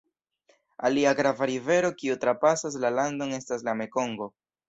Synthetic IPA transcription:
a̰liaɡɾavaɾive̞ɾo̞kiutɾapasas̬lalando̞ne̞stas̬lame̞ko̞ŋɡo̞

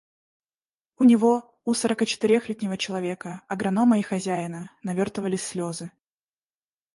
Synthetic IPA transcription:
ʊnʲɪvo̞ | usəɾəkət͡ɕɪ̥t̪ɪɾʲexlʲit̪̚ʲnʲɪvət͡ɕɪlˠɐvʲe̞kəɐɡɾɐno̞məixɐzʲæjɪnənɐvʲort̪əvəlʲɪsʲsːlʲozɨ

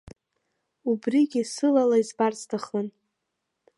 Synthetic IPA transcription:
ubriɡʲisɨlalaizbart͡stʰaχlan

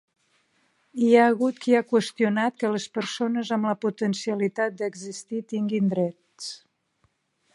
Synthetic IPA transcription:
iaəɣut̪kʰiakwəst̪iunat̪̚kələspəɾsonəzəmləput̪ənsiəlit̪at̪̚d̪əɡzist̪it̪iŋɡind̪ɾɛt̪ | s

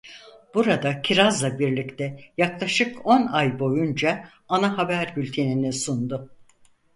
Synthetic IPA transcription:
b̥uɾad̪acʰiɾazlˠabiɾlʲict̪ʰɛjaklˠaʃɯko̞najbo̞jund͡ʒa | anaɦabæɾbylʲt̪ʰe̞ninɛsund̪ʊ

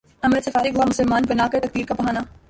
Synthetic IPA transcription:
ɐməd̪sɐfaːɾiɡʱoamʊsəlmaːnbɐnaːkɐt̪ɐk̚d̪iːɾkapɐɦaːna

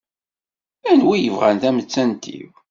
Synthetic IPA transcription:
ænwijəvʁæ̰nθæmət͡sːænt̪ʰḭw

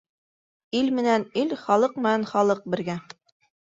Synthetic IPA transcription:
ilmɘ̆nænilχɑlˠɤqmɘ̆nænχɑlˠɤq̚bɘ̆ɾɡæ

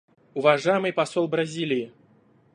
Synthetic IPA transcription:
ʊvɐʐajɪmɨjpɐsolˠbɾɐzʲilʲɪː

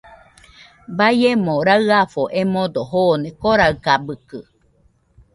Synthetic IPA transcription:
bajemõɾaɨafoʔemod̪oɦoːnekoɾaɯkabɯkɯ

